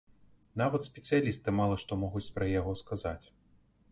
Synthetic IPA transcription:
navɐt̪sʲpʲɛt̪sɨjalʲist̪ɨmalˠɐʂt̪ɔmɔɣut͡sʲpɾɐjaɣɔskazat͡sʲ

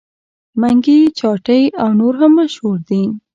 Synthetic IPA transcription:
maŋɡit͡ʃɑʈəjawnoɾɦaməʃoɾd̪i

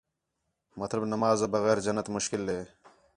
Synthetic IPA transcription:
mɐt̪lɐbnɐmaːzɐbɐɣeːɾd͡ʑɐnːɐt̪mʊʃkɪlːeː

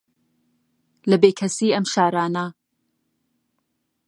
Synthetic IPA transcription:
lɐbeːkʰɐsiːɐmʃaːɾaːnɐ

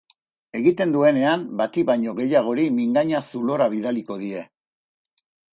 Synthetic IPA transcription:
e̞ɣit̪e̞nd̪ue̞ne̞ambat̪iβaɲo̞ɣe̞jaɣ̞o̞ɾimiŋɡaɲasulo̞ɾaβ̞iðaliko̞ð̞ie̞

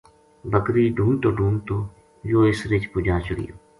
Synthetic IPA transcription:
bəkɾiːɖʱuːnt̪oːɖʱuːnt̪oː | joːɪsɾɪt͡ʃpʊd͡ʒãːt͡ʃəɽḭjo̰ː

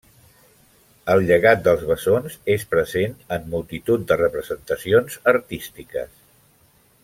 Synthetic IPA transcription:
əlˠʎəɣat̪̚d̪əlˠzβəzonzespɾəzenəmːulˠt̪it̪ut̪̚d̪ərəpɾəzənt̪əsionzəɾt̪ist̪ikə̰s

